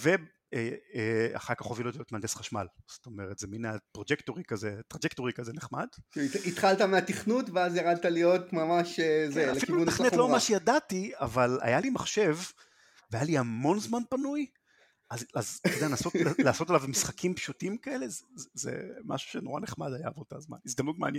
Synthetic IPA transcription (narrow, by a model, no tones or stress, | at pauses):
ve | eea̰χaʁkaχo̞vilot̪ijot̪mand̪esχaʃma̰lso̥to̞me̞ʁet̪zeminapʁod͡ʒektoʁikazetʁad͡ʒektoʁikazeneχma̰d̥kiit̪χalt̪ameat̪iχnutveazjaʁad̪̚t̪alijot̪mamaʃezealefilkiuvunt̪aχnnelommaʃejadatia̰vala̰jalimaχʃe̞v | veajaliamo̞nzmanpanuj | azazdeanaso̞tlaːso̞t̪alavmisχakʰimpʃutimkae̞le̞zzḛma̰ʃu̥ʃeno̞ʁaneχmad̪aja̰vot̪a̰zma̰nisd̪amnutma̰nj